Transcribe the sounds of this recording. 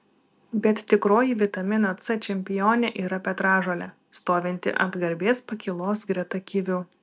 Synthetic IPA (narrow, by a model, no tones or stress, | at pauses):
bʲɛt̪t̪ʲɪkɾoːjiʋʲɪt̪ɐmʲɪnoːt̪sɛt͡ʃʲɛmʲpʲɪjoːnʲɛʔiːɾɐpʲɛt̪ɾɑːʒoːlʲɛ | st̪oːʋʲɛnʲt̪ʲɪ̰ʔɐ̰d̪ɡɐɾʲbʲeːspɐkʲɪlˠoːsɡɾʲɛt̪ɐkʲɪʋʲʊ